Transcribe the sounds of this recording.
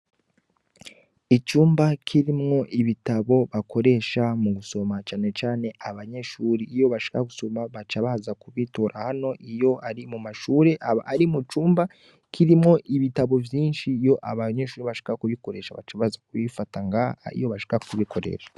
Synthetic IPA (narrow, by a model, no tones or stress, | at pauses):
it͡ʃuːmbakʰiɾimŋo̞ʔiβitaβo̞βako̞ɾe̞ʃamuɡuso̞mat͡ʃaːne̞t͡ʃaːne̞ʔaβaɲe̞ʃuːɾiːjo̞βaʃi̥kaɡuso̞maβat͡ʃaβazakuβitoɾʔahano̞ʔijo̞aɾimumaʃuːɾe̞ʔaaɾimut͡ʃuːmba | kʰiɾimŋo̞ʔiβitaβo̞vjiːnʃijo̞ʔa̰βaɲe̞ʃuːɾiβaʃi̥kakuβiko̞ɾe̞ːʃaβa̰t͡ʃaβazakuβifataŋɡaḭjo̞βaʃi̥kakuβikʰo̞ɾe̞̰ʃḁ